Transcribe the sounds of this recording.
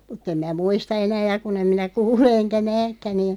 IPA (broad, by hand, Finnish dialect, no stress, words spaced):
mutˑ em mæː muistɑ enæː jɑ kun em minæ kuːle enkæ næːkːæ niːn